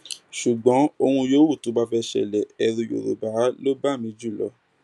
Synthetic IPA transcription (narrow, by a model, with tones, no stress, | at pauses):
ʃu˨ɡ͡bɔ̃˨˦o˧hũ˧jo˦wu˦˨to˨˦ba˦fɛ˧ʃɛ̰˨lɛ˨ɛ˧ɾũ˧jo̰˨ɾo̰˨ba˨˦lo˦ba˦˨mĩ˨˧d͡ʒu˦˨lɔ̰˧˦